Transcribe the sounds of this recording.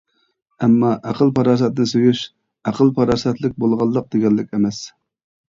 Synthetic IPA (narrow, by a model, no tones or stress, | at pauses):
ɛmːɑʔæqəlˠpʰɑɾɑːs̬ɛt̪nɪsøjyʃ | æqəlˠpʰɑɾɑːsɛt̪lɪk̚ʲbolˠʁɑlˠːəq̚d̪eɡʲɛlːɪkʲemɛs